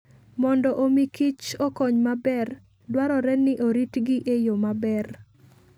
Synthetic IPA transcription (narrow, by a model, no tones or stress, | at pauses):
mɔndɔʔomikit͡ʃɔkɔɲmabɛr | dwaɾɔɾɛnɪʔoɾitɡɪʔejomabɛr